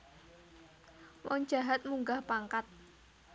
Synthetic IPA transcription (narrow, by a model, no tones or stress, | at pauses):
wɔŋ̥ʒ̥a̤ɦat̪̚muŋɡahpaŋkat̪̚